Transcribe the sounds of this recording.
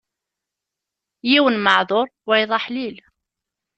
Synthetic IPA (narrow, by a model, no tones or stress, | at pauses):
jiwənməʕðˤoɾˤwæjðˤɑħlil